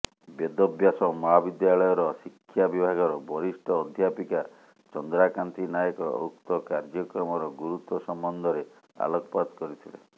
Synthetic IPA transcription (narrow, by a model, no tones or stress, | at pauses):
bed̪ɔbjasɔmɔɦabid̪jaɭɔjɔɾɔsikʰːjabibʱaɡɔɾɔbɔɾisʈʰɔːd̪ʱjapika | t͡ʃɔnd̪ɾakant̪inajɔkɔo̰k̚t̪ɔkaɾd͡ʒɔkɾɔmɔɾɔɡuɾut̪wɔsɔmbɔnd̪ʱɔɾe | a̰lɔkɔpad̪kɔɾit̪ʰilḛ